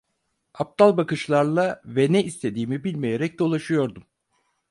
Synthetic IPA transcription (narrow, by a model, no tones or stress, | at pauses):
ap̚t̪alˠbakɯʃlˠaɾlˠavɛnɛist̪ʰe̞d̪iːmibilʲmejeɾɛc̚d̪o̞lˠaʃɯjo̞ɾd̪um